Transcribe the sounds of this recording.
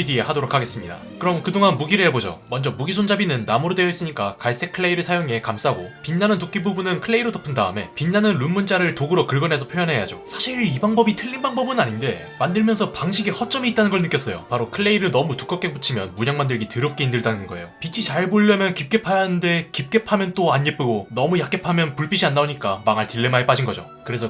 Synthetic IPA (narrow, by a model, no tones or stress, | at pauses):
idiehadoɾokʰːaɡe̞s͈ɯmɲida̰ | kɯɾʌmkɯdoŋanmuɡiɾɯɦebod͡ʑo̰mʌnd͡ʑʌmuɡisʰond͡ʑabinɯnːamuɾode̞jʌis͈ɯɲik͈akaɭs͈e̞kʰɯɭːe̞iɾɯɭsʰajoŋe̞kams͈ʰaɦaɡopinːanɯntok͈ibubunɯnkʰɯɭːe̞iɾotʌpʰːɯndaɯme̞̰pinːanɯnɾunmund͡ʑaɾɯɭtoɡɯɾʌkɯɭɡʌnɦe̞sʰʌpʰjojʌnɦe̞ja̰d͡ʑosʰaɕʰiɾibaŋbʌbitʰɯʎːinbaŋbʌbɯnaɲinde̞ | mandɯɭmjʌnsʰʌpaŋɕʰiɡehʌt͡ɕ͈ʌmiːt̚t͈anɯnɡʌɭnɯk͈jʌs͈ʌjo̰paɾokʰɯɭːe̞iɾɯɭnʌmutu̥k͈ʌk͈e̞put͡ɕʰimjʌ̰nmuɲaŋmandɯɭɡitɯɾʌp̚k͈e̞indɯɭdanɯnɡʌe̞̰jopit͡ɕʰit͡ɕaɭboʎːʌmjʌnkip̚k͈e̞pʰajanɯnde̞kip̚k͈e̞pʰamjʌnt͈oaɲːip͈ɯɡonʌmujak͈e̞pʰamjʌnpuɭp͈iɕʰiandaoɲik͈amaŋaɭtiɭːemaep͈ad͡ʑinɡʌd͡ʑo̰ | kɯɾe̞sʰʌ